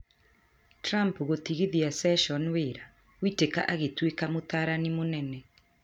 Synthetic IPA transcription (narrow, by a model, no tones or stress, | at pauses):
tɾampɣot̪iɣiðiasɛʃɔnweɾa | witeka̰ʔaɣetwekamot̪aːɾanimonɛnɛ